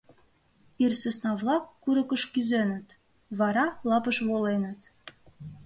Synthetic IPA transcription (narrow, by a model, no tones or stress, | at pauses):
irsesnɑβlɑkːuɾə̆kəʃkyzenə̆t̪ | βɑɾɑlɑpəʃβolenə̆t̪